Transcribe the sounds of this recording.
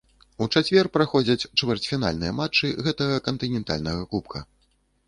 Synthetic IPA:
ut͡ʂat͡sʲvʲɛrpɾaxɔd͡zʲɐt͡sʲt͡ʂvʲɛrt͡sʲfʲina̰lʲnɨjɐmat͡ʂːɨɣɛt̪ɐɣɐkɐnt̪ɨnʲɛnt̪a̰lʲnɐɣɐkupkʰɐ

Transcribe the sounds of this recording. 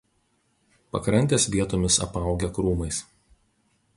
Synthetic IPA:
pɐ̰kɾɐnʲt̪ʲeːsʋʲiɛt̪oːmʲɪsɐ̰pɐˑʊɡʲɛkɾuːmɐɪs

